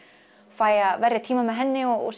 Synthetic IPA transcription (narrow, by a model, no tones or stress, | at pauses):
faːjavɛrjat̪ʰiːmamɛðɦɛnːɪɔɔ̰s